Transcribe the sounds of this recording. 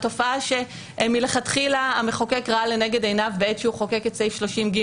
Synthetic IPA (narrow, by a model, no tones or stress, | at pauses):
to̞faaʃe | mileχatχilaameχokekʁaale̞neɡedejnavbeetʃeuχokeketsejfʃlo̞ʃimɡi